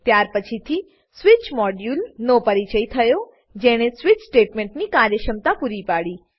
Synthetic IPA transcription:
t̪jaɾpət͡ʃʰit̪ʰi | sʋit͡ʃmɔɖjulnopəɾit͡ʃəit̪ʰəjo | d͡ʒeɽ̃esʋit͡ʃsʈeʈmẽɳʈnikaɾjəʃəmt̪apuɾipaɽi

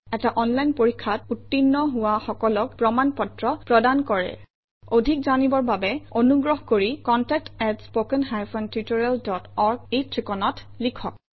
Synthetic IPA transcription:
ɛtaʔɔnlajnpoɹikʰːat̚utːinːɔɦʊwaxɔkɔlɔk̚pɹɔmanpɔtɹɔpɹɔdankɔɹɛ̰ | odʱikzanibɔɹbabɛonuɡɹɔɦkoɹikɔntɛk̚tɛtspokɛnɦajfʰɔntɹitɔɹɛldɔtɔɹɡ̚etɹikɔnɔt | likʰɔ̰k̚

